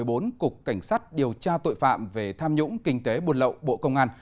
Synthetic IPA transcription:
əjɓo˨˦nkʊ˨˩k͡p̚ka˧˩jŋ̟saː˦˥t̚ɗi˨˩əwt͡ɕaː˧t̪o̰˧˨jfa̰ː˧˨mve˨˩t̪ʰaː˧mɲʊ̰˧˥ŋ͡mkï˧ŋ̟t̪e˨˦ɓu˨˩ənlə̰˧˨wɓo̰˧˨kə˧wŋ͡mʔaː˧n

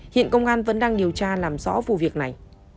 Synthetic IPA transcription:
hḭ˧˨ənkə˧wŋ͡mʔaː˧nvə̰˧˥nɗaː˧ŋɗi˨˩əwt͡ɕaː˧laː˨˩mzɔ̰˧˨˦vṵ˧˨vi˨˩ək̚na˨˩j

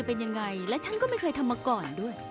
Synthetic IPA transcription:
a˨˩pe˧nja˧ŋːa˧jlɛː˦˥t͡ɕʰa˦˥nkɔː˥˩ma˥˩jkʰɤː˧jt̪ʰa˧mːaː˧kɔː˨˩ndu˥˩əjj

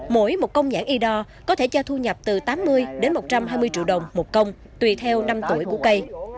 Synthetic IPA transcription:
mo̰˧˦jmo˨˩t̚kə˧wŋ͡mzaː˧˩ŋʔi˧ɗɔ˧ | kɔ˨˦t̪ʰe˧˩t͡ɕɔ˧t̪ʰu˧ɲə˨˩p̚t̪ɨ˨˩t̪aː˨˦mːɨ˧əjɗe˨˦nmo˨˩t͡ɕa˧mɦaː˧jmɨ˧əjt͡ɕḭ˧əwɗə˨˩wŋ͡mmo˨˩t̚kə˧wŋ͡m | t̪wi˨˩t̪ʰɛ˧wna˧mt̪u˧˩əjku˧˩əkə˧j

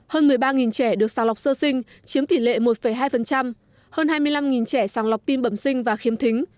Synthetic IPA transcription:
həː˧nmɨ˨˩əjɓaː˧ŋi˨˩nt͡ɕɛ˧˩ɗɨ˨˩ək̚saː˨˩ŋla˨˩wk͡p̚səː˧sï˧ŋ̟ | t͡ɕi˨˦əmt̪i˧˩lḛ˧˨mo˨˩t̚fə˧˩jɦaː˧jfə˨˩nt͡ɕa˧m | həː˧nhaː˧jmɨ˧əjla˧mŋi˨˩nt͡ɕɛ˧˩saː˨˩ŋla˨˩wk͡p̚t̪i˧mɓə˧˩msï˧ŋ̟vaː˨˩xi˨˦əmt̪ʰï˨˦ŋ̟

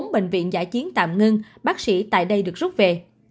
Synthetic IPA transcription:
ŋ͡mɓḛ˧˨ŋ̟vḭ˧˨ənza̰ː˧˥˩jt͡ɕi˨˦ənt̪a̰ː˧˨mŋi˧nɓaː˦˥k̚sḭ˧˥t̪a̰ː˧˨jɗə˧jɗɨ˨˩ək̚z̥ʊ˦˥p̚ve˨˩

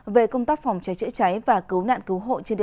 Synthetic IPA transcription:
ve˨˩kə˧wŋ͡mt̪aː˦˥k̚fɔ˨˩wŋ͡mt͡ɕa˨˦jt͡ɕɨ̰˧˥t͡ɕa˨˦jvaː˨˩kɨ˨˦wna̰ː˧˨nkɨ˨˦wɦo̰˧˨t͡ɕe˧nɗi˨˩˨

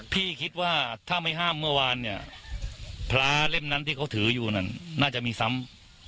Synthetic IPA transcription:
pʰiː˥˩kʰi˦˥t̪̚waː˥˩t̪ʰaː˥˩ma˥˩jɦaː˥˩mːɯ˥˩ɐwaː˧nːi˧˩ɐ | pʰlaː˧le˥˩mna˦˥nt̪ʰiː˥˩kʰa˦˥wt̪ʰɯː˩˦juː˨˩na˧˩nːaː˥˩t͡ɕa˧ʔmiː˧sa˦˥m

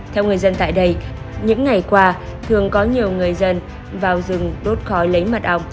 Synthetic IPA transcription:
t̪ʰɛ˧wŋɨ˨˩əjzə˧nt̪a̰ː˧˨jɗə˧j | ɲɨ̰˧˥ŋːa˨˩jkwaː˧ | t̪ʰɨ˨˩əŋkɔ˨˦ɲi˨˩əwŋɨ˨˩əjzə˧n | vaː˨˩wzɨ˨˩ŋɗo˦˥t̚xɔ˨˦jlə˨˦jma˨˩t̚ʔa˧˩wŋ͡m

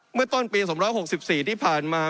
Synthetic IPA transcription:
mɯ˥˩ɐt̪o˥˩npiː˧sɔ˩˦mɾɔː˦˥jho˨˩k̚si˨˩p̚siː˨˩t̪ʰiː˥˩pʰaː˨˩nmaː˧

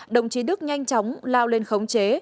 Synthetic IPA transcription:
ɗə˨˩wŋ͡mt͡ɕi˨˦ɗɨ˦˥k̚ɲa˧jŋ̟t͡ɕɔ˨˦wŋ͡mlaː˧wle˧˩nxə˨˦wŋ͡mt͡ɕe˨˦

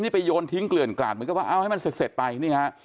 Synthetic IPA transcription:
niː˥˩pa˧jːoː˧nt̪ʰi˦˥ŋklɯ˨˩ənkla̰ː˨˩t̪̚m˨˩˦k̚aː˥˩ʔa˧˩wha˥˩jma˧se˨˩t̪̚se˨˩t̪̚pa˧jniː˥˩hʰa˦˥ʔ

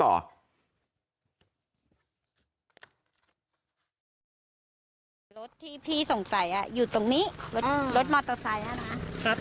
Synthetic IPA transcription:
ɔ̰ː˨˩ | ɾo˦˥t̪ʰːiː˥˩p̪ʰiː˥˩so˨˩ŋsa˨˩˦jʔa̰˨˩juː˨˩t̪o˨˧˩ŋniː˦˥˩ɾo˦˥ɾo˦˥t̪̚mɔː˧˥t̪ɔ˨˧˩sa˨˦jʔa˨˩na˦˥kʰa˦˥

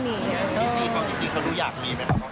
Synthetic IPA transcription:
miː˧tiː˦˥siː˧˩kʰa˦˥wt͡ɕ̪i˧ŋt͡ɕi˧ŋkʰa˦wɾuː˦˥jaː˨˩k̚miː˧pa˧˩a˦˥kʰa˦

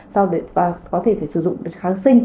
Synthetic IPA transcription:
sa˧wɗe˧˨vaː˨˩kɔ˨˦t̪ʰe˧˩faː˧˩jsɨ˧˩zʊ̰˧˨ŋ͡mɗe˨˦nxaː˨˦ŋsï˧ŋ̟

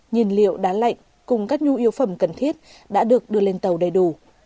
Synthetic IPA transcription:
ɲi˨˩nlḭ˧˨əwɗaː˨˦la̰˧˨jŋ̟ | kʊ˨˩ŋ͡mkaː˦˥k̚ɲu˧˦ʔi˨˦əwfə˧˩mkə˨˩nt̪ʰi˦˥ət̚ | ɗa̰ː˧˥ɗɨ˨˩ək̚ɗɨ˧əle˧nt̪ə˨˩wɗə˨˩jɗu˧˩

